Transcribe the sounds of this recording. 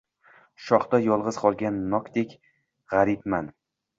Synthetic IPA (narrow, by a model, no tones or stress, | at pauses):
ʃɒχd̪ajɒlˠʁɨz̥qʰɒlˠɡʲanːɒkd̪ekʲ | ʁaɾɪpman